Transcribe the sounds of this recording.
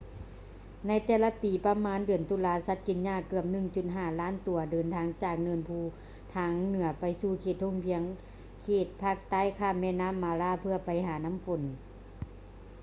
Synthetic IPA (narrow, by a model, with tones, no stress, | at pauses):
na˧˥˩jt̪ɛː˧˩la˧piː˨˩pa˧maː˧˥˨ndɯ˨˩ənt̪u˧˦laː˧˥sa˧˥t̪̚ki˨˩nɲaː˧˩˨kɯ˧˩əp̚nɯ˧˩ŋt͡ɕu˨˧˩t̪̚ɦaː˧˩laː˧˥˨nt̪u˨˩˦ɐdɤː˨˩nt̪ʰaː˧˥˩ŋt͡ɕaː˨˩k̚nɤː˧˩˨npʰuː˧˩ | t̪ʰaː˧˥ŋnɯ˩˦ɐpa˨jsuː˧˩kʰeː˧˩t̪̚ho˧˥˨ŋpʰi˧˦əŋ | kʰeː˧˩t̪̚pʰaː˧˩k̚t̪aː˧˥˨jkʰaː˧˥˩mːɛː˧˨naː˧˥˨mːaː˨˧˦laː˧˥˨pʰɯ˧ɐpa˨˩jɦaː˨˦na˧˥˨mfo˨˦n